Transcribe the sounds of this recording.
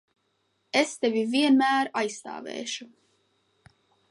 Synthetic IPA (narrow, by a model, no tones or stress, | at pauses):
est̪evʲivʲiɛnmæːɾajst̪a̰ːvḛːʃu